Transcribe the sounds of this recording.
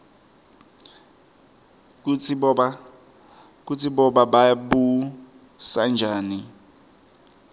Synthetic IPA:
kut͡sʰɔa | k̬ut͡sʰiɓɔɓaɓaɓu | sand͡ʒʱaːni

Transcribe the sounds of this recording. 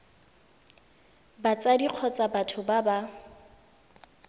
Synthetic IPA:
bat͡sadiq͡χʰɔt͡sabatʰʊbaba

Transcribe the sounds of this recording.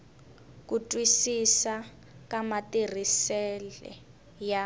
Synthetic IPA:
kutʼwisisa | kamatir̤isɛlɛ̰ | ja

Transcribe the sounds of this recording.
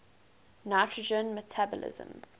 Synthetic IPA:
naɪtʰɹəd͡ʒə̃nmɛtʰabɔ̰lɪ̰zə̰̃m

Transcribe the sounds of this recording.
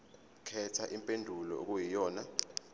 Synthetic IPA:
kʰɛtʰaʔimpʼendʱulɔ̰ok̬ujijɔːna

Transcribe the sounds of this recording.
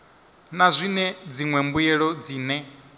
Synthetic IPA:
nazʷinɛd͡ziŋwɛmbujɛɺɔd͡ziːnɛ

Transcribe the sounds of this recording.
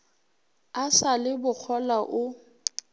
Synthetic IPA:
asalɪbʊk͡xʰɔlaʔʊ

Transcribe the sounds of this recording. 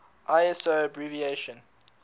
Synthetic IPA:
ʔaɪɛsobɹivieʃə̃n

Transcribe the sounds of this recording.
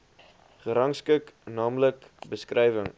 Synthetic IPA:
χəɾɐŋskəknɑːmləkbəskrɛjvəŋ

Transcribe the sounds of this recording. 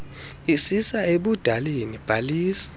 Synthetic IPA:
isisaeɓud̥ʱalenib̥ʱaliːsḁ

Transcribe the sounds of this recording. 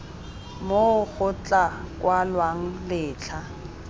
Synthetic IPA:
moɣʊt͡ɬʼakʼwalwaŋ̩lɪːt͡ɬʰa

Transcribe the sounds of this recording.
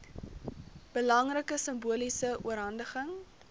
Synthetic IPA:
b̥əlɐŋrəkəsəmbuəlisəuəɾɦɐndəχəŋ

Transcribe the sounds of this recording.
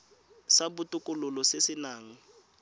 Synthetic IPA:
sabʊtʼʊkʼʊlʊlɔsesɪnaːŋ̩

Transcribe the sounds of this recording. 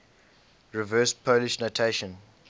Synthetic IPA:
ɹivɜːspʰoliʃnotʰeʃəɔ̃n

